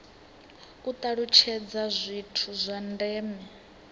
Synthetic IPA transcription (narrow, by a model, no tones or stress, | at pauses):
kut̪ʼaɺut͡ʃʰɛd͡zazʷitʰuzʷandɛːmɛ